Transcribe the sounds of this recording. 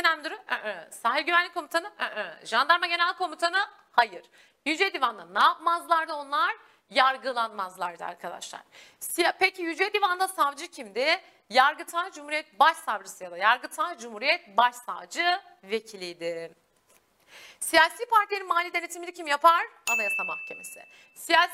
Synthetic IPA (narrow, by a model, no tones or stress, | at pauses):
enænʲd̪uɾuøsaɦiɾʲɟyvænlʲickʰːo̞mit̪ʰanɯʔʔʒand̪aɾmaɟe̞nælʲkʰo̞mit̪ʰanɯ | hajɯɾ̥ | jyd͡ʒed̪ivand̪anaːpmazlˠaɾd̪ɯo̞nlˠaɾ | jaɾɡɯlˠanmazlˠaɾd̪ɯa̰ɾkʰad̪a̰ʃlˠa̰ɾ̥ | sijapecʰijyd͡ʒed̪ivand̪asavd͡ʒɯcʰimd̪ɪ | jaɾɡɯt̪ʰad͡ʒumhuɾijɛt̪̚baʃsavɾɯsɯjad̪ajaɾɡɯt̪ʰad͡ʒumhuːɾijɛt̪̚baʃsa̰vd͡ʒɯ | ve̞cʰilʲijd̪ɪ | sijaːsiːpaɾt̪ʰilʲeninmaːlʲiːd̪e̞net̪ʰimilʲicʰimjapaɾ̥amajasama̰hcʰe̞̰me̞̰sɪ̰ | sijaːs